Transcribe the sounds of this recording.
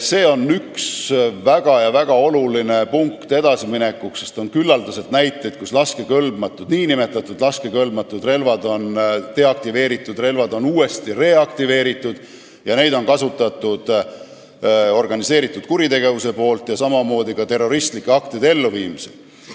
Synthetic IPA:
se̞ːo̞nːyksvæɡ̥ɑjɑvæɡ̥ɑo̞luline̞puŋkt̪e̞d̪̥ɑsimine̞kːˑuksest̪o̞nkylːɑld̪use̞lt̪næjt̪ːˑe̞jd̪̥̚kuslɑske̞kø̞lbmɑt̪ːˑud̪̥niːnime̞t̪ːˑɑt̪ːˑud̪lɑskekølbmɑt̪ːˑud̪re̞lvɑd̪o̞nt̪e̞ɑk̚t̪ive̞ːɾit̪ːˑud̪re̞lvɑd̪o̞nuːe̞st̪ire̞ɑkt̪ive̞ːɾit̪ːˑud̪̥ | jɑne̞jd̪o̞nkɑsut̪ːˑɑt̪ːˑud̪̥ | o̞rɡ̥ɑnise̞ːɾit̪ːˑud̪̥̚kuɾit̪e̞ɡ̥e̞vuse̞po̞ːlt̪jɑsɑmɑmo̞ːd̪ikɑt̪e̞rːo̞ɾist̪likːeɑkt̪ed̪e̞lːuviːmisel

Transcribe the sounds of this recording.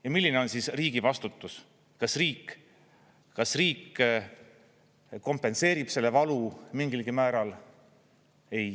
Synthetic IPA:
jɑmilʲːineo̞nsisriːɡ̥ivɑst̪ut̪ːˑus | kɑsriːkː | kɑsriːk | ko̞mpːe̞nse̞ːɾib̥se̞lːe̞vɑlumiŋɡilɡ̥imæːɾɑl | e̞j

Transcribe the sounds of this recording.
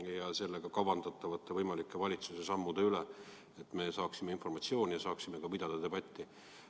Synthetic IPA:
jɑse̞lːe̞ɡ̥ɑkɑvɑnd̪̥ɑt̪ːˑɑvɑt̪ːˑevɤjmɑlikːˑe̞vɑlʲit̪suse̞sɑmːud̪̥e̞yle | et̪ːˑme̞sɑːksimeinfo̞rmɑt̪sio̞ːnʲijɑsɑːksime̞kɑpid̪̥ɑd̪̥ɑt̪e̞b̥ɑt̪ʲːi

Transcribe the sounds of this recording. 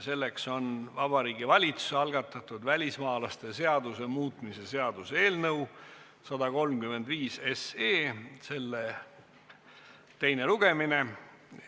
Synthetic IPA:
se̞lːe̞kso̞nvɑb̥ɑɾiːɡ̥ivɑlʲit̪su̥seɑlɡ̥ɑt̪ːˑɑt̪ːˑud̪̥vælʲismɑːlɑst̪e̞se̞ɑd̪use̞muːt̪ˑmise̞se̞ɑd̪̥useeːlnɤw | sɑd̪ɑko̞lmkymːe̞nd̪viːse̞seːse̞lːe | t̪e̞jneluɡ̥e̞mine̞

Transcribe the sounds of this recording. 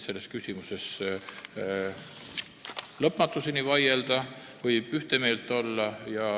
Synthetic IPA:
se̞lːe̞skysʲimuse̞s | lɤpːmɑt̪ːˑusinivɑje̞ld̪̥ɑ | vɤjb̥yht̪eme̞ːlt̪ːˑo̞lːɑjɑ

